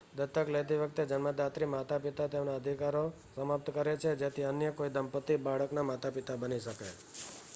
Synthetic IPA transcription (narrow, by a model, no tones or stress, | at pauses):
d̪ət̪ːəklet̪̬iʋək̚t̪ed͡ʒənməd̪at̪ɾimat̪apit̪at̪emnaəd̪ʱikaɾo | səməp̚t̪kəɾet͡ʃʰed͡ʒet̪ʰiənjəkoid̪əmpət̪ːibaɭəknamat̪apit̪abəniʃəke